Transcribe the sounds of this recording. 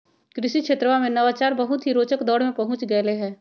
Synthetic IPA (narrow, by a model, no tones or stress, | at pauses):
kɾɪʃikʃeːt̪ɾəamẽnɐʋaːt͡ʃaːɾbɐɦʊt̪ɦiɾoːt͡ʃəkd̪ɔːɽmẽpɐɦʊ̃t͡ʃɡɐeleɦɛ̃ː